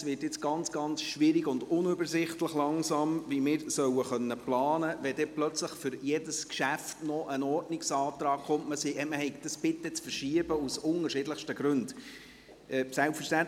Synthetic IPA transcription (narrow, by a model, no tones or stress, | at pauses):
sʋɪːtjɪt͡sɡ̥ɑnt͡sɡ̥ɑnt͡sʃʋɪɾiɡʊndʊnʏbəɾsɪχtləχlɑŋsɑːmvimɪːɾsœwəχœnːəplɑːnəʋɛd̥ɛplœt͡sləχfʏɾjɛdəskʃæftnɔʔənɔrdnɪksɑːt̪ɾɑːkχʊmtməsiʔɛməhɛɪkd̥ɑsb̥ɪt̪ːɛt͡sfəɾʃiəb̥əusʊŋəɾʃɪdləχʃtəɡ̥ɾʉnd | ɛsælpfəʃtæn